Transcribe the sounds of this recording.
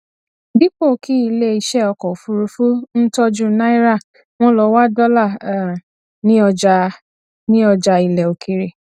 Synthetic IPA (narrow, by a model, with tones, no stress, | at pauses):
bi˦k͡po˦˨ki˦i˧le˦i˧ʃɛ˦ɔ˧kɔ˨fu˧ɾu˧fu˦n̩˦tɔ˦d͡ʒu˦na˦i˦ɾa˦˨ | w̃ɔ̃˦lɔ˧wa˦dɔ˦la˦˨ | nĩ˦ɔ˧d͡ʒa˧ | nĩ˦ɔ˧d͡ʒa˧i˨lɛ˨o˨kʰi˧ɾe˨